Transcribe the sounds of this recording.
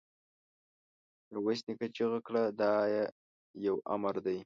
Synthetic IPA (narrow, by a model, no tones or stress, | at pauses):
ɾwasnikat͡ʃeɣəkɽad̪ɑje | jawa̰maɾd̪aj